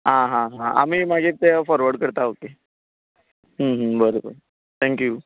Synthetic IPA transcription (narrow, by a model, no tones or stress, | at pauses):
ɦãɦãɦãa̰m̤iːmaɡʱet̪efɔɾʋəɽkəɾt̪aoke | ɦəɦəbəɾobəɾ | t̪ʰɛ̃ŋkju